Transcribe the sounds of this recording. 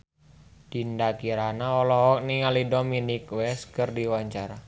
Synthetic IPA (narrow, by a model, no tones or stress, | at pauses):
d̥indakiɾanaɔlɔɦɔk̚niŋalidominikwɛskɨrdiwaɲt͡ʃaɾa